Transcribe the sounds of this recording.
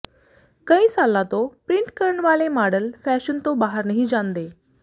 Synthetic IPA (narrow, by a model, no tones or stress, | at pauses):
kə̃ĩːsalːat̪opɾiɳʈkəɾɳʋaːlemaɽəlfɛɕənt̪obaɦəɾnəɦĩd͡ʑãnd̪e